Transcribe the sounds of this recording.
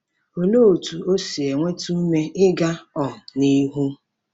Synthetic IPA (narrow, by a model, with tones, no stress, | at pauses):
o˨no˦˨tu˨o˦si˨e˨ŋʷe˦tu˦me˦ɪ˦ɡa˦ɔ˨ni˦ɦu˦